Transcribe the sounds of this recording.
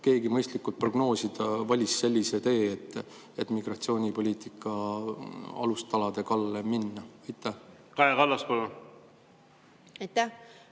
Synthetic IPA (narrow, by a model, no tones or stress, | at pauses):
ke̞ːɡimɤjst̪likːˑult̪̚pro̞ɡ̥no̞ːsid̪̥ɑvɑlʲisːe̞lʲːiset̪e̞ːet̪ːˑ | e̞t̪ːˑmiɡ̥rɑt̪sio̞ːnʲipo̞lʲiːt̪ˑikːˑɑ | ɑ̰lust̪ɑlɑd̪e̞kɑlːeminːɑɑjt̪ːˑæh | kɑekɑlːɑspɑlu | ɑjt̪ːæh